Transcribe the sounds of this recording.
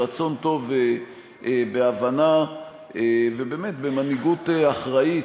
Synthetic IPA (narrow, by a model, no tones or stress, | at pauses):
at͡so̞nt̪o̞ve | beavana | evebe̞ːmet̪bemaniɡuteaχʁai